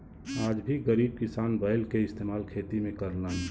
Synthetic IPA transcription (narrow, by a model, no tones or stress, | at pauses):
aːd͡ʒbʱiɡəɾiːb̚kɪsaːnbəɪlkeɪst̪eːmaːlkʰeːt̪imẽkəɾlən